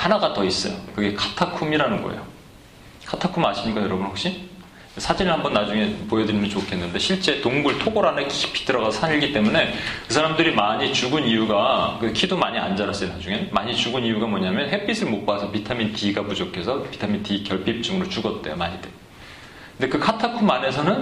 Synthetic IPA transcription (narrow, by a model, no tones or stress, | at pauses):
hanaɡatʌis͈ʌjokɯɡe̞kʰḁtʰakʰumiɾanɯnɡʌḛjo | kʰatʰakʰumaɕʰiɲik͈ajʌɾʌbunɸwok̚ɕ͈i | sʰad͡ʑinɯɭhambʌnːad͡ʑuŋe̞pojʌdɯɾimɯnt͡ɕokʰe̞nːɯnde̞ɕʰiɭt͡ɕ͈e̞toŋɡuɭtʰoɡoɾanekii̥pʰi̥tɯɾʌɣasʰʌsʰaɲiɭɡit͈e̞mune̞kɯsʰaɾamdɯɾimaɲit͡ɕuɡɯnijuɡakɯkʰidomaɲia̰nd͡ʑaɾas͈ɯinad͡ʑuŋe̞maɲit͡ɕuɡɯnijuɡamʌɲamjʌnɦe̞p͈ʰisʰɯɭmok̚p͈asʰʌpitʰamintiɡapud͡ʑokʰe̞sʰʌpi̥tʰamintikjʌɭpʰip̚t͡ɕ͈ɯŋɯɾot͡ɕuɡʌt̚t͈ḛjo̰maɲide | kɯnde̞kɯkʰatʰakʰumane̞sʰʌnɯn